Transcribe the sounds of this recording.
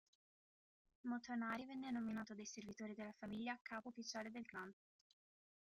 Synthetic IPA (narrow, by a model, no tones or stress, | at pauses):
mot̪onaːɾivɛnːenominaːt̪od̪ajservit̪oːɾid̪elːafamiʎːaːkʰːaːpoːfit͡ʃaːled̪elɡɾant̪